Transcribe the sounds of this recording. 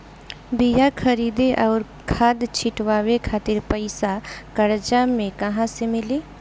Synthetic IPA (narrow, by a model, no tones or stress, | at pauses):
bijakʰɐɾiːd̪eʔɔːɾ | kʰaːd̪t͡ʃʰɪʈʋaːwekʰaːt̪ɪɾpəɪsakɐɾd͡ʒamẽkɐɦãsemɪleː